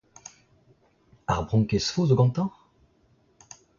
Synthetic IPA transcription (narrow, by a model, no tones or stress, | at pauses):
a̰ʁbʁɔ̃ŋkesfozoɡɑ̃t̪ɑ̃ʁ